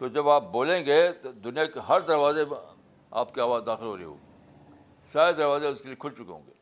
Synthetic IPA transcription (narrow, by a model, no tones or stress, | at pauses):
t̪od͡ʒɐbaːp̚boːlẽːŋɡeːt̪od̪ʊnijakeɦɐɾd̪ɐɾʋaːze | a̰ːpkeaːʋaːzd̪aːxɪlɦo̰ːɾɐḛɦo̰ːɡ | saːɾed̪ɐɾʋaːzeʊskeliekʰʊlt͡ʃʊkeɦõ̰ːŋɡeː